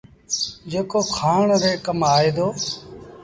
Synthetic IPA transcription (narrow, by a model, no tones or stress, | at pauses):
d͡ʒeːkoːkʰaːɳɾeːkəmaːeːd̪oː